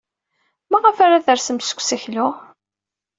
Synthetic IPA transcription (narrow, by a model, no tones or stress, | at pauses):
mæʁəfaɾaθəɾsəmsə̥kʷːsçlʊʁ